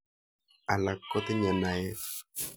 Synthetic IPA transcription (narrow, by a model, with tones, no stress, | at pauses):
a˨la˨kːɔ˦t̪ɪ˦ɲɛ˨na˨e˦